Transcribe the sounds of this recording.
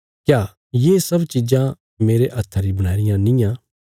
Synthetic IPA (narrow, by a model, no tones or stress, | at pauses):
kjaː | jeːsɐbt͡ʃid͡ʒã | meːɾeʔɐt̪ʰːəɾibɐɽ̃aːɪɾɪjãnɪ̃jã